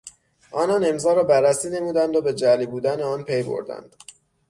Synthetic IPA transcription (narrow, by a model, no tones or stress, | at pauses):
ʔɒːnɒːne̞mzɒːɾɒːbærːæsiːne̞muːd̪ænd̪obed͡ʒælibuːd̪æneɒːnpʰe̞jbo̰ɾd̪æ̰nd̪̥